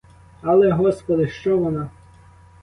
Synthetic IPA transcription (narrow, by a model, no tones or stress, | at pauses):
ɐlˠɛɦɔspɔd̪ɪʃt͡ʃɔʋɔnɑ